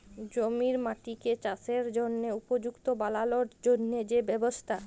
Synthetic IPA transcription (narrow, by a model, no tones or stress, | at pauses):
d͡ʑomiɾmaʈiket͡ɕaseɾd͡ʑonːeupod͡ʑukt̪obalaloɾd͡ʑonːed͡ʑebɛbost̪ʰa